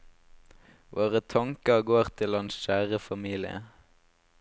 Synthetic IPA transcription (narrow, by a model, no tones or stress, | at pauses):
ʋʔoːʁət̪ʰɑŋkəɡoːʁt̪ʰɪlhɑnsʃæːʁəfɑmiːlɪə̰